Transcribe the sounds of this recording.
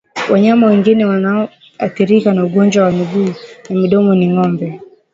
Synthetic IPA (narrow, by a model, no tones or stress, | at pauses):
waɲamawɛŋɡinɛwanaɔ | aθiɾikanauɡɔnd͡ʒwawanuɡuːnamiɗɔmɔniŋɔmbɛ